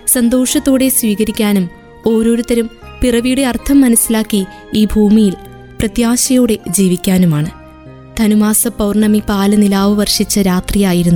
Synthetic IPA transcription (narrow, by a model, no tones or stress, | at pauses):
sɐnd̪o̞ːʂɐt̪ːoːɽe̞sʋiːɣɐɾikʲːaːnum | o̞ːɾo̞ːɾut̪ːɐɾumpirɐʋiːɽeɐrt̪ʰɐmːɐnɐsːilaːkːi | iːbʱuːmijil | prɐt̪jaːɕɐjoːɽe̞d͡ʑiːʋikʲːaːnumaːɳɨ | t̪ʰɐnumaːsɐpɐwrɳɐmipaːlɨnilaːʋɨʋɐrʂit͡ɕːɐɾaːt̪rijaːjiɾunːu